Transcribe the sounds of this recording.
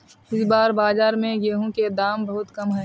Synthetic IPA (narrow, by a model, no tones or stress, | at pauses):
ɪsbaːɾbaːzaːɾmẽɡeːɦũked̪aːmbɐɦʊt̪kɐmɦɛː